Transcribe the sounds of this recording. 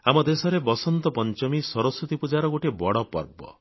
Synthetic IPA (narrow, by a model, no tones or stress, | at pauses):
amɔd̪esɔɾebɔsɔnt̪ɔpɔnt͡ʃɔmisɔɾɔsut̪ipud͡ʒaɾɔɡoʈibɔɽɔpɔ̰ɾbɔ̰